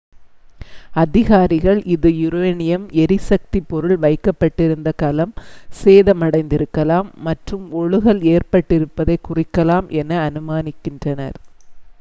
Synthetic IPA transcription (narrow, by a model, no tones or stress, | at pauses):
ɐðɪɣaːɾɪɣɐɭʔɪðɯjɪɾɯʋɐnɪjɐmɛɾɪsɐk̚t̪ipːɔɾɯɭʋɐɪkːɐpːɐʈːɪɾɯnd̪ɐkɐlɐmseːðɐmɐɽɐɪnd̪ɪɾɯkːɐlaːmːɐʈrɯmɔɻɯɣɐɭeːɾpɐʈːɪɾɯpːɐðɐɪkʊrɪkːɐlaːmʔɛnːɐːnɯmaːnɪkːɪndrɐnɐ̰ɾ